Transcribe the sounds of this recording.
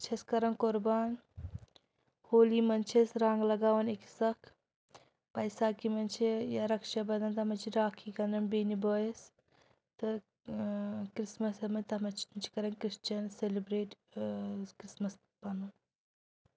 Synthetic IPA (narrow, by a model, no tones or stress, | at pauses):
t͡ʃʰeskɐɾɐnkʊɾbaːn | hoːliːmɐnt͡ʃʰesɾaːŋɡlɐɡaːʋɐniki̥sɐkʰ | pɐjsaːkimɐnt͡ʃʰijaɾɐkʃabɐd̪ɐnt̪ɐmɐt͡ʃʰiɾaːkʰiːkɐnɐnbeːniboːjes | t̪ɨ | kɾismɐsɐmɐnʲt̪ɐmɐt͡ʃʰnt͡ʃʰi̥kɐɾɐnkɾiʃt͡ʃɐnselibɾeːʈ | kɾismɐs | pɐnɐn